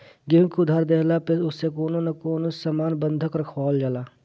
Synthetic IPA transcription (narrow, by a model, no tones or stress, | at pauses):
ɡɪ̃kud̪ʱaːɾd̪eːlaːpɪʊsːekoːnonɐkoːnosamaːnbənd̪ʱəkəɾkʰɔːld͡ʒalaː